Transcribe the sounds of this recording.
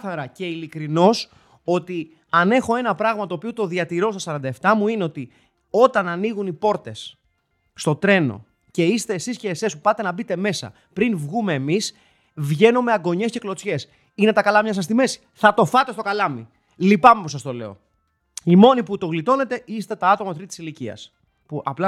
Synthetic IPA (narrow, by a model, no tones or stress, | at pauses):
θɐɾɐce̞ilikɾino̞s | o̞t̪i | ɐne̞xo̞e̞nɐpɾɐɣmɐt̪oːpiot̪o̞ðiɐt̪iɾo̞st̪osɐɾɐnd̪ɐeft̪ɐmuineo̞t̪i | o̞t̪ɐnɐniɣunipo̞ɾt̪e̞sː | t̪o̞t̪ɾe̞no̞̰ | ce̞ist̪e̞ːsisce̞ːsespupɐt̪e̞nɐbit̪e̞me̞sɐ̰ | pɾinvɣume̞ːmis | vʝe̞numeɐɡo̞ɲe̞sce̞klo̞t͡sçe̞s | ine̞t̪ɐkɐlɐmɲɐs̬ɐs̬t̪ime̞si̥θɐt̪o̞fɐt̪e̞st̪o̞kɐlɐmi | lipɐme̞po̞s̬ɐst̪o̞le̞̰o̞̰ | imo̞niput̪o̞ɣlit̪o̞ne̞t̪e̞ist̪e̞t̪ɐɐt̪o̞mɐt̪ɾit̪i̥siliciɐ̰s | puʔɐplɐ